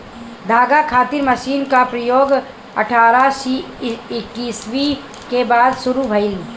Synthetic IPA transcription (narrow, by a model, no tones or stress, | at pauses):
d̪ʱaːɡakʰaːt̪ɪɾmɐʃiːnkapɾɐjoːɡ | ɐ̰ʈʰaːɾasi | ɪkːiːswi | kebaːd̪ʃʊɾubʱɐɪl